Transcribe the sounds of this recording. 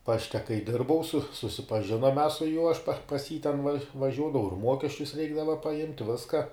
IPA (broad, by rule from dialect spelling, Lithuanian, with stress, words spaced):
ˈpɑːʃʲtʲɛ kɐɪ ˈdʲɪrbɐʊ sʊ sʊsʲɪpɐˈʒʲɪnoːm mʲɛs sʊ juɔ ɐʃ pɐ pɐs jiː tʲɛn ʋɐˈʒʲuɔdɐʋɐʊ ɪr ˈmuɔkʲɛsʲt͡ʃʲʊs ˈrʲɛɪɡdɐʋɐ pɐˈɪmʲtʲ ˈʋʲɪskɐ